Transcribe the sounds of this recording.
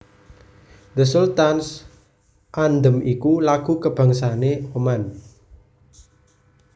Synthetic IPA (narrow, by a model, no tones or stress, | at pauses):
d̪əsult̪ans | ʔand̪əmikulaɡ̥ṳkəb̥a̤ŋsaneoman